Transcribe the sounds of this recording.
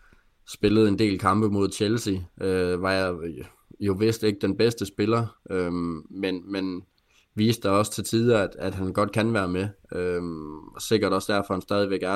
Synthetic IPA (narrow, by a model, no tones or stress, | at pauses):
sb̥e̝ləð̞̩ˠe̝nd̥e̝̰ːlkʰɑ̈mb̥əmo̝ð̰ˠɕʰelsiøʋɑ̈jɑ | jo̝ʋe̝sd̥e̝ɡ̥əd̥enb̥esd̥əsb̥e̝lɐʔømenmen | ʋḭːsd̥d̥ɑɒ̽sə̥t͡sʰe̝lt͡sʰiːðˠɐæd̥æd̥ɦænɡ̥ɒ̽d̥̚kʰænʋæːɐme | ø | se̝ɡ̥ɐɾ̥ɒ̽sd̥æɐfɒ̽hænsd̥ɛːð̞ˠiʋeɡ̥æɐ